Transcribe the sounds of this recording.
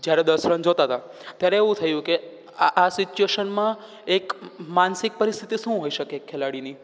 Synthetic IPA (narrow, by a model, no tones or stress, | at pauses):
d͡ʒjaɾed̪əsɾənd͡ʒot̪at̪at̪jaɾeːʋũt̪ʰəjũke | aʔasit͡ʃueʃənmã | ekmansik̚pəɾist̪ʰit̪iʃũɦoiʃəkekʰːelaɽini